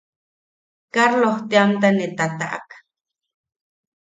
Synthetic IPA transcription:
kaɾloht̪eamt̪anet̪at̪aʔa̰k

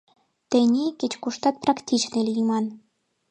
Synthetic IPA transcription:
t̪ĕnʲekʲet͡ɕkuʃt̪ɑt̪̚prɑktʲʰit͡ɕnilʲjimɑn

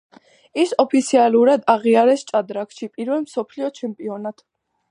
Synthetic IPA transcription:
isɔpʰit̪sʰialuɾad̪aʁiaɾɛst͡ʃʼad̪ɾakʃipʼiɾvɛlmsɔpʰliɔt͡ʃʰɛmpʼiɔnat̪ʰ

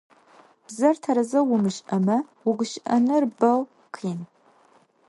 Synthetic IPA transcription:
b̥zɐrtʰɐɾɐzɐwʊmɨɕʼʔɐmɐ | wʊɡʷʊɕʔɐnɨrbɐw | qʰiːn

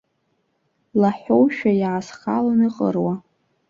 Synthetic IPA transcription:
laħowʃᶣajaʕːsχa̰lanɨqʼə̰rwa

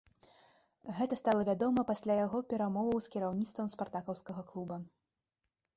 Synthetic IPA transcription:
ɣɛt̪ɐst̪alˠɐvʲad̪ɔmɐpasʲlʲajaɣɔpʲɛɾamɔvɐwskʲiɾawnʲit̪st̪vɐmspart̪akɐwskɐɣɐklˠubɐ

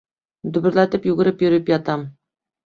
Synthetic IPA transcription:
d̪ɵ̆bɘ̆ɾlæt̪ɘpjuɡɘ̆ɾɘpjɵ̆ɾɘpjɒt̪ɑm

